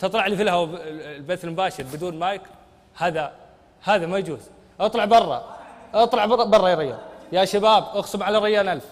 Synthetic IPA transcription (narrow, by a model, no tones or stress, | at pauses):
t̪ɨt̪ˤlɑʕlifilhawlbaθɪlmʊbaːʃɪɾbɪd̪uːnmaːjɪk | haːða | haːðamajad͡ʒuːz̥ | ʔɑt̪ˤlɑʕbɑrˤːɑ̰ʔɑt̪ˤlɑʕbɑrˤːɑjɾɪjːa̰ːnjaʃabaːbʔʊɣsʊmʕalaɾˤɑjːaːnʔalf